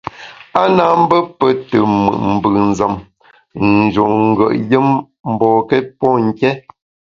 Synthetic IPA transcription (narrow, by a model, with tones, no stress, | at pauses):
a˦na˦˨m̩˦bə˦pə˦tə˨mə̰˨ʔm̩˨bə˨n˨zə˨m | n˨d͡ʒo˨ŋŋ̩˨ɡə̰˦˨ʔjə˦m | m̩˨bɔ˨kɛ˦pɔ˦ŋ̩˦˨kɛ˦